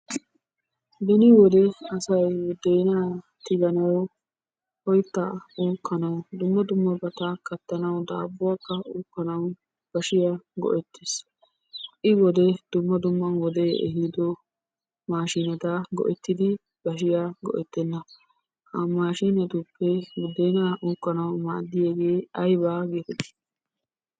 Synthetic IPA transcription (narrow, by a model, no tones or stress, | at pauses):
bɛnɪwɔd̪ɛɐsɐjd̪ɛjna | t̪ɪɡɐnɐwɔ | hɔjt̪ːɐuːkːɐnɐwd̪ʊmːɐd̪ʊmːɐbɐt̪akɐt̪ːɐnɐwd̪a̰ːbːʊwakːɐʔuːkːɐnɐw | b̥ɐʃɪjaɡɔ̰ʔɛt̪ːes | ʔɪwɔd̪ɛd̪̥ʊmːɐd̪ʊmːɐnwɔd̪eːʔɛ̰ɦid̪ɔ | maːʃiːnɐt̪aɡɔ̰ʔɛt̪ːɪd̪ɪ | b̥ɐʃ̬ɪjaːɡɔ̰ʔɛt̪ːɛnːɐ | hɐmaːʃiːnɐt̪ʊpːɛɡʊd̪eːnaːʔuːkːɐnɐwma̰ːd̪ːɪjeːɡe̞ːɐjbaːɡeːt̪ɛd̪ɪ̥